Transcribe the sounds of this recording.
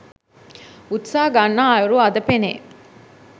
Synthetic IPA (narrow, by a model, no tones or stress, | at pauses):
ut̪saːɡanːaːɐjuɾuɐd̪ɐpenḛː